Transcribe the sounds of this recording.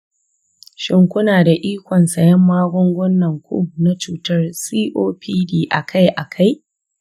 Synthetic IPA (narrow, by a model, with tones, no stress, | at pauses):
ʃɪ˦ŋkʷʊ˦naː˨da˨ʔiː˦kʷɔ˨nsɐ˨jɐ˦mːaː˦ɡʷɔ˦ŋɡʷɔ˦nːɐ˨ŋkʷṵː˦na˦t͡ʃuː˦tɐ˦rsiː˦ʔoː˦pʰiː˦diː˦˨ʔa̰˨kʰa˦jʔa˨kʰa˦j